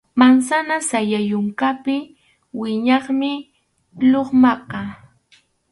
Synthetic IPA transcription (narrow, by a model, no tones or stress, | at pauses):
mansanasajajʊŋkapɪ | wɪɲɑχmɪ | loχmɑqɑ